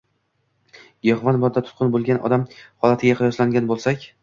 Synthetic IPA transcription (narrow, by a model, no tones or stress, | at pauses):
jɒʁvanbɒɾd̪at̪ʰʊ̥t̪̚qʰɨnbolˠɡʲanʔɒ̰d̪amhɒlˠat̪ʰɪɡʲaqʰɨjɒslaŋɡʲanbolˠsakʲ